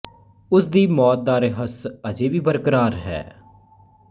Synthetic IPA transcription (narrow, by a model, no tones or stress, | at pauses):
ʊsd̪iːmɔːt̪̚d̪aːɾeɦəsəd͡ʒeːʋiːbəɾkəɾaːɾɦɛ̰ː